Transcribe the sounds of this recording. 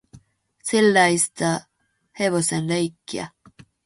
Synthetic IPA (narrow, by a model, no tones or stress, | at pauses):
silːajst̪a | heβosenlejkːia̰